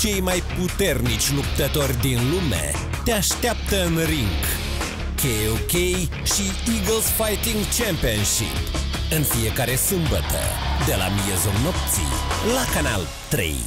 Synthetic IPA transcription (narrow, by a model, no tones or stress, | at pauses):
t͡ʃe̞jmajput̪e̞rnit͡ʃʲlup̚t̪ət̪o̞rʲd̪inlume̞̰ | t̪eaʃt̪eap̚t̪əɨnɾiŋɡ | kʰejokej | ʃi | iɡlsfajt̪iŋɡt͡ʃempionʃḭp | ɨnfije̞kaɾe̞sɨmbət̪ə̰d̪e̞la̰mijezulno̞p̚t̪sḭlakana̰l | t̪ɾḛj